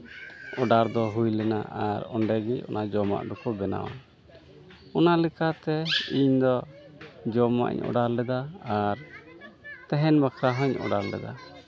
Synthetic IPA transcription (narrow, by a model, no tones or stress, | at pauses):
ɔɖaɾd̪ɔɦujlɛnaʔaɾɔɳɖɛɡicɔ̰nʔad͡ʒɔma̰ʔɖɔkɔbɛna̰wa̰ | ɔnalɛkat̪ɛiɲd̪ɔ | d͡ʒɔma̰ʔɲɔ̰ɖaɾlɛd̪aːɾ | t̪ɛɦɛnbakʰɾaɦɔɲɔ̰ɖaɾlɛ̰d̪a̰